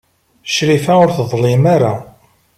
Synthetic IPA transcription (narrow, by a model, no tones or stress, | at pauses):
ʃɾifæʊɾθəðˤlɪmaɾa